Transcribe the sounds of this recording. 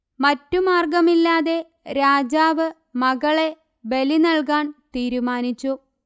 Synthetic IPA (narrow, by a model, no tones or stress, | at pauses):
mɐtːumaːrɡɐmilːaːðe̞ | ɾaːd͡ʑaːʋɨ | mɐɣɐɭe̞ | be̞linɐɭkaːɳt̪iːɾumaːnit͡ɕːu